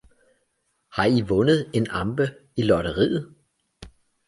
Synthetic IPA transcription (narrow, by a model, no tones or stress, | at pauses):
hɑ̈iʋɔ̽nəð̞̩ˠe̝nɑ̈mb̥əilɒɾəʁḭːð̩ˠ